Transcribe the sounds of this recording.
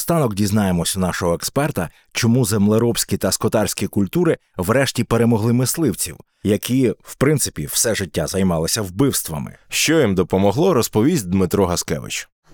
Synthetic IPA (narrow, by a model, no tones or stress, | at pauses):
st̪ɑnɔkdʲiznɑjemɔsʲɐnɑʃɔɦɔekspɛrt̪ɐ | t͡ʃɔmuzemlˠeɾɔbsʲkʲit̪ɐskɔt̪ɑrʲsʲkʲikʊlʲt̪uɾɪ | ʋɾɛʃtʲipeɾemɔɦlˠɪmɪslˠɪwt͡sʲḭw | jɐkʲiwpɾɪnt̪sɪ̥pʲiw̥sɛʒɪtʲːazɐjmɑlˠɐsʲɐwbɪwst̪ʋɐ̰mɪ̰ʃt͡ʃɔjimd̪ɔpɔmɔɦlˠɔɾɔspɔʋʲizʲd̪mɪt̪ɾɔɦɐskɛ̰ʋɪ̰t͡ʃʊ̥